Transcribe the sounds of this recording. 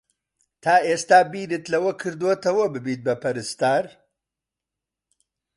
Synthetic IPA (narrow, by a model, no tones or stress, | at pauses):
t̪ʰaːʔeːst̪aːbiːɾɨt̪lɐwɐkʰɨɾd̪wot̪ɐwɐbɨbiːt̪̚bɐpʰɐɾɨst̪aːɾ